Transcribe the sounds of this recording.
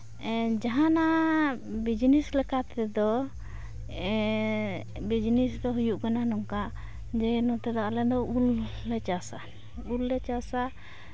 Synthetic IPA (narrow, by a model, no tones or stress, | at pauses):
d͡ʒaɦana | bid͡ʒnislɛkat̪ɛd̪ɔ | bid͡ʒnisd̪ɔɦujuʔkananɔŋkaʔ | d͡ʒɛnɔt̪ɛd̪aʔlɛd̪ɔʔulː | ɛt͡ʃasa | ulːɛt͡ʃasa